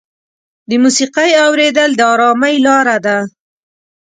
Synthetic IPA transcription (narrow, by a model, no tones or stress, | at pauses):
d̪əmusiqajawɾed̪əld̪əɑɾɑmajlɑɾad̪a